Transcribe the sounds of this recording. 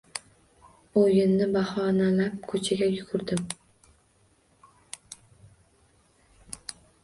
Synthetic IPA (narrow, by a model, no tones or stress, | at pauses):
ojɪnːɪbahɒnalap̚kʰɵt͡ʃʰaɡʲajʊɡʰʊɾd̪ɪm